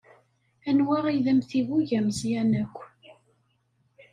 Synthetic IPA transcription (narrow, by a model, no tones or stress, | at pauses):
ænwaʁiðəmθiwuʝæmzjænækʷː